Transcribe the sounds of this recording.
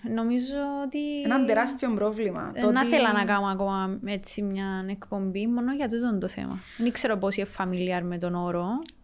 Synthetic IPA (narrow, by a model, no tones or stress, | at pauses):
no̞mizoːt̪inɐnd̪eɾɐst̪iombɾovlimɐ̰t̪onɐθelɐnɐkɐmɐko̞mɐet͡sːimɲɐnekpo̞mbimo̞noʝɐt̪̬ut̪ond̪oθḛmɐ̰ | nikse̞ɾoposiefːɐmiliɐɾmet̪o̞noɾo